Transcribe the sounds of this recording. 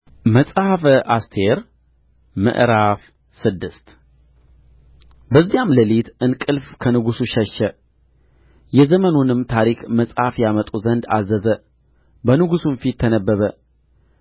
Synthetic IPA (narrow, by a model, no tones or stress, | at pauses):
məsʼhafʔast̪ʰe̞ɾ | mɨ̰ʔɾaf | sɨd̪ːɨst̪ | bəzːijamləlit̪ʔɨnkʼɨlfkʰənɨɡusuʃɛʃːə | jɛzəmənunɨmt̪ʰaɾikməsʼhafjamət̪ʼuzənd̪a̰zəzə | bənɨɡusunfit̪ʰːənəbːəβə